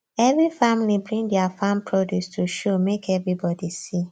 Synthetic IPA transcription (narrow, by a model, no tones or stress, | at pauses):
ɛvɹifamlibɹĩndjafãmpʰɹɔdjustʰuʃomekʰɛvɹibɔdisi